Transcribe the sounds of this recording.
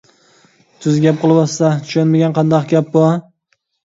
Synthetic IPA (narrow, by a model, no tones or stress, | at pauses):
t̪ʰʊzɡʲap̚qʰɨlˠɪbɒsːat̪ʰʊ̥ʃanmaɡʲanqʰɑnd̪ɑqɡʲap̚bʊa